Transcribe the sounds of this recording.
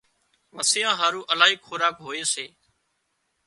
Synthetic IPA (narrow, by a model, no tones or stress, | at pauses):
məsɪjãːɦaːɾũːʔəlaːɦiːkxʰoːɾaːkɦoːeːseː